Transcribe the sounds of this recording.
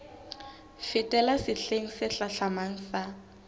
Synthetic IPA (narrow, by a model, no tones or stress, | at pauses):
fɪtʼɛlasɪɬeŋ̩sɪɬaɬamaŋ̩sa